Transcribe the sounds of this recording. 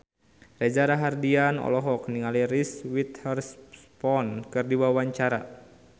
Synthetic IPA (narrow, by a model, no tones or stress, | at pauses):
rɛd͡ʒaɾaɦardianɔ̰lɔɦɔk̚niŋaliriswit̪hɛrspɔnkɨrdiwawaɲt͡ʃaɾa